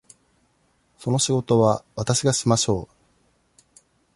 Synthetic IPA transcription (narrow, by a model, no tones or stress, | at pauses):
so̞no̞ɕiɡo̞t̪o̞βaβat̪aɕiɡaɕimaɕo̞ː